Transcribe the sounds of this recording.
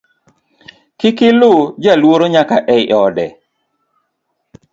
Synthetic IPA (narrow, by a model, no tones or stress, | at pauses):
kɪkɪlʊd͡ʒalwoɾoɲakaʔɛɪʔɔdɛ